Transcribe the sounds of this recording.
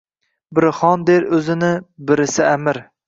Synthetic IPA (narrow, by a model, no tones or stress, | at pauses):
bɪɾχɒnd̪eɾɵzɪnɪbɪɾɪsɪamɪɾ